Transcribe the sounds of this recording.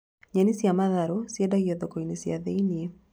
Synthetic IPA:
ɲanisiamaðaɾɔsiɛdaɣiɔðɔkɔinisiaðɛinie

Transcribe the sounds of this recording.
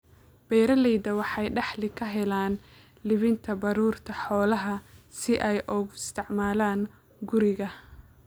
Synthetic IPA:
b̥ɛːɾɐlɛjd̪ɐwɑħɑjɖɑħlɪkʰɐɦɛlaːn | lɪβɪnt̪ʰɐbɑɾuːrt̪ʰɐħɔːlɐɦɐsɪʔɛjʔɔːɣʊɪst̪ʰɪʕmaːlaːn | ɡʊɾɪɣɐ

